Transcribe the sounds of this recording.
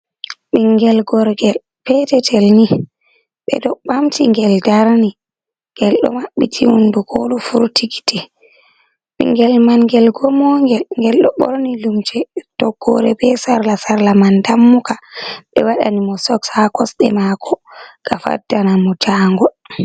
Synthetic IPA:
ɓiŋɡɛlɡɔɾɡɛl | pɛtɛtʰɛlni | ɓɛ̰dɔɓamtʰiŋɡɛldaɾni | ŋɡɛlɗɔ̰maɓːitʰiwunduɡoɗufuɾtʰiɡi̥tɛ | ɓḭŋɡɛlmanŋɡɛlɡɔmɔŋɡɛlŋɡɛlɗɔɓɔ̰ɾnilumt͡ʃɛtɔɡ̥ːɔ̰ɾɛbɛsaɾlasaɾlamandamːukaɓɛwaɗa̰nimɔsɔksakɔsɗɛ̰makʰɔɡ̥afa̰dːanamɔd͡ʒaːŋɡɔ

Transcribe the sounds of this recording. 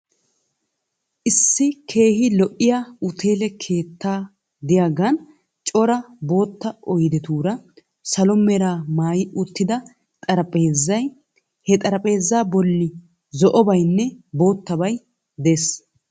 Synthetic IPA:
ʔɪsːɪkʰe̞ːɦɪlɔʔɪjaːʊt̪ʰe̞ːlɛkʰe̞ːt̪ːaː | d̪ɪjaːɡɐn | t͡ʃʼɔɾɐbo̞ːt̪ːɐɔjd̪ɛt̪uːɾɐ | sɐlɔmːɛɾaːmaːjɪʔʊt̪ːɪd̪ɐ | t̪ʼɐɾɐpʼeːzːɐj | hɛt̪ʼɐɾɐpʼe̞ːzːaːbɔlːɪ | zɔʔɔbɐjnːɛbo̞ːt̪ːɐbɐj | d̪es

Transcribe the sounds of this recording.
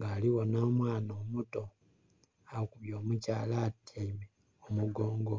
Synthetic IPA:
ŋɡaːliwo̞naːmwaːnoːmuto̞ | awokuβjoːmucaːlatjaime | omuɡoːŋɡ

